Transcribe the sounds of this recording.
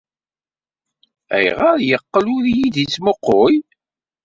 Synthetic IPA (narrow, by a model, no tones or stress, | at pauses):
æ̰jʁəɾjəqːəlʊɾjiðit͡smoqːoj